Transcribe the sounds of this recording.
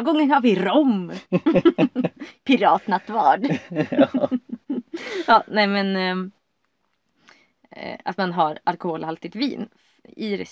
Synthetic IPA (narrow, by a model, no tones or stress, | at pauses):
ɡɔŋːənhaɾvɪɾɔm | pʰɪɾɑːt̪nat̪vɑ̰ːɖ | jɑːnɛmɛn | a̰t̪manɦaɾalkʊhoːlhalt̪ɪt̪vḭːn | ɪɾɛ̰